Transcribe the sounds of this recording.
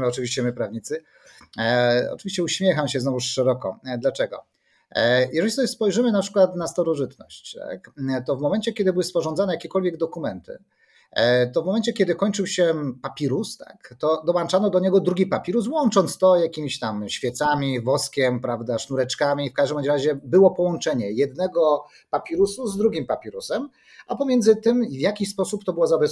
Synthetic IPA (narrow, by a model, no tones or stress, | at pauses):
mɔt͡ʂɨvʲiɕt͡ɕɛmɘpɾavɲit̪sɘ | ɔ̰t͡ʂɨvʲiɕt͡ɕɛuɕmʲjɛxamɕɛznɔvuʂʂɛɾɔkɔd̪lat͡ʂɛɡɔ̰ | jʔɛʐɛlʲisɔbʲjɛspɔjʐɘmɘnapʂɘ̥kwat̪nast̪aɾɔʐɘt̪nɔ̰ɕt͡ɕt̪a̰kt̪ɔvmɔmɛnt͡ɕɛkʲɛd̪ɘbɘwɘspɔʐɔ̃nd̪anɛjakʲɛkɔlvjɛɡ̚d̪ɔkumɛnt̪ɘ̰ | t̪ɔvmɔmɛnt͡ɕɛkʲɛd̪ɘkɔɲʲt͡ʂɘwɕɛpapʲiɾust̪a̰kt̪ɔd̪ɔwant͡ʂanɔd̪ɔɲɛɡɔd̪ɾuɡʲipapʲiɾus̬wɔnt͡ʂɔnt̪st̪ɔjakʲimʲiɕt̪amɕfʲjɛt̪samʲivɔskʲɛmpɾavd̪aʂnuɾɛt͡ʂkamʲifkaʐd̪ɛmɔɾaʑɛbɘwɔpɔwɔnt͡ʂɛɲɛjɛd̪nɛɡɔ | papʲiɾusuzd̪ɾuɡʲimpapʲiɾusɛm | ʔapɔmʲjɛnd̪zɘt̪ɘmvʲjakʲispɔsupt̪ɔbɘwɔzabɛs